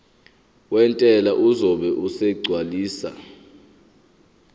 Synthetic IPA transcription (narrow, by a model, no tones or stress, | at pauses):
wɛntʼɛlaʔuzɔɓɛʔusɛɡ͡ǀʱwaliːsa̰